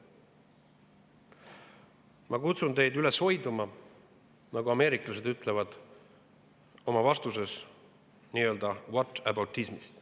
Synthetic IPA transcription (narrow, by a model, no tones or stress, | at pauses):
mɑkut̪sunt̪e̞jd̪yle̞sho̞jd̪umɑ | nɑɡuɑme̞ːɾiklɑse̞d̪yt̪ːˑle̞vɑd̪̥ | o̞mɑvɑst̪use̞s | niːø̞ːld̪ɑwot̪ˑːæbɑwt̪ːˑismist̪